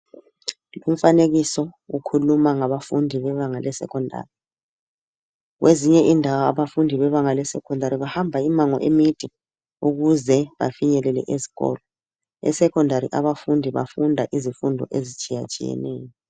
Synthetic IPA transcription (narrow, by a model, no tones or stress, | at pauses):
um̩faneɣisɔukʰulumaŋaβafundʱiβɛβaŋalɛsɛ̰kʰɔndʱa̰ːri | ɣweziɲɛʔindʱawaaβafundʱiβɛβaŋalɛsɛkʰɔndʱaɾiβahambʱaimaŋɔ̰ʔemid̥ʱɛ | uɣuzɛβa̰fiɲɛlɛlɛ̰ʔezi̥ɣɔ̰ːlɔ | ɛ̰sɛkɔndʱaɾḭʔaβafundʱiβa̰fundʱaʔizifundʱɔ̰ʔezit͡ʃʼija̰t͡ʃʼḭjɛ̰nɛːjɔ